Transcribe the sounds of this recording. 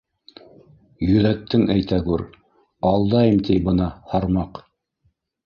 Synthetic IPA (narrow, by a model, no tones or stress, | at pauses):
jɵ̆ðæt̪ːɘŋæjt̪æɡʉɾ | ɑlˠd̪ɑjɤmt̪ijbɤ̆nɑhɑɾmɑq